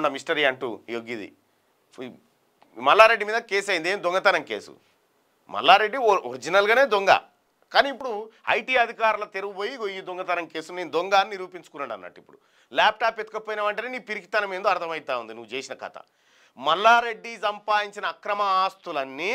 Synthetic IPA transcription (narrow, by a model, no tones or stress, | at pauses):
nːɐmisʈɐɾiːɐɳʈṵjoɡid̪ḭ | mɐlːaːɾe̞ɖːimiːd̪ɐke̞ːsɐjind̪eːnd̪ɔŋɡɐt̪ɐnɐŋkḛːsṵ | mɐ̰lːaːɾe̞ɖːioɾid͡ʒinɐlɡaːne̞ːd̪oŋɡa̰ | kaːniːp̬ːuɽuɐ̰jʈiːɐd̪ʱikaːɾulɐt̪eɾuʋojiɡojːid̪oŋɡɐt̪ɐɾɐŋke̞ːsune̞ːnud̪oŋɡaːnːiɾuːpiɲt͡ʃu̥kunːɐɽɖɐnːɐ̰ʈːipːuɽu | laːp̚ʈaːpːet̪ukɐpoːjinɐʋɐɳʈɐneniːpiɾikit̪ɐnɐmend̪oːɐɾt̪ʰɐmɐjt̪aːund̪inuʋːt͡ʃeːsinɐkɐ̰t̪ɐ̰ | mɐlːaːɾe̞ɖːisɐmpaːjiɲt͡ʃinɐːkɾɐmɐaːst̪ulɐnːi